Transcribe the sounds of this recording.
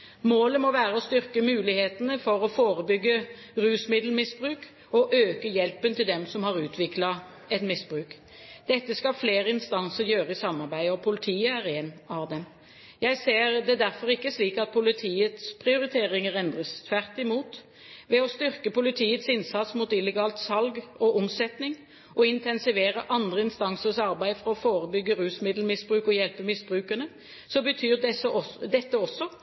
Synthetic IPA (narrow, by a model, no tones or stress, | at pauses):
moːləmɔʋæːɾəɔst̪ʏʁkəmʉːlɪheːt̪ənəfɔɾɔfoːɾəbʏɡːə | ʁʉːsmɪd̪l̩mɪsbʁʉːk | ɔʔøːkəjɛlpənt̪ɪld̪ɛmsɔmhɑʁʉːt̪ʰʋɪklɑ | ɛt̪mɪsb̥ɾʉːk | d̪̥ɛt̪ːəskɑfleːɾəɪnst̪ɑnsəɾjøːɾəɪsɑmːɑɾbæɪəɔpʰʊlɪt̪ʰiːəæʁenɑʋd̪ɛm | jæɪseːʁd̪ɛd̪æɾfɔɾɪkːəsliːkɑt̪̚pʰʊlɪt̪ʰiːət̪spʰʁɪʊɾɪt̪ʰeːɾɪŋəɾɛnd̪ʁəst̪ʰʋæʁt̪ɪmuːt̪ | ʋɛɔst̪ʏɾkəpʊlɪt̪ʰiːət̪sɪnsɑt̪smut̪ɪlɛɡɑːlt̪sɑlɡɔʔɔmsɛt̪nɪŋ | ʔɔɪnt̪ʰɛnsɪʋeːɾəʔɑnd̪ʁəɪnst̪ɑŋsəsɑɾbæɪfɔʁɑɔfoːɾəbʏɡːəɾʉːsmɪd̪l̩mɪsbɾʉːkɔjɛlpəmɪsb̥ɾʉːkənə | sɔbət̪ʰyːɾd̪ɛsɔd̪ɛt̪ːəɔsɔ